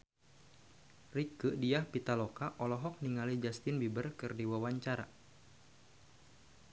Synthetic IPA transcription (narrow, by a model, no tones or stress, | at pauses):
rikəʔdiahpit̪alɔkaʔɔlɔɦɔk̚niŋalid͡ʒast̪ɪnbibərkɨrdiwawaɲt͡ʃaɾa